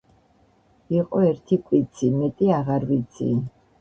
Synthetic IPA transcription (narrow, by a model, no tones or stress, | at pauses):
iqʼɔɛɾt̪ʰikʼwit̪sʰimɛt̪ʼiaʁaɾvit̪sʰḭ